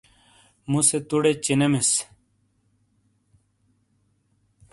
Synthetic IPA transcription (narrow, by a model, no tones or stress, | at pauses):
muset̪uɽet͡ɕinemes